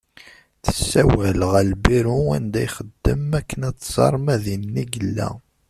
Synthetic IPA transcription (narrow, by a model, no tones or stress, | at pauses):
θə̥sːæwælʁælbiɾuæ̰nd̪æjχəd̪ːəmækːənæt͡sːz̥ɑ̰ɾˤmæðimniɡəlːæ̰